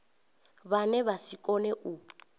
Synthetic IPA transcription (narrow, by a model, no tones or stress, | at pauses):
βanɛβasikʼɔnɛʔu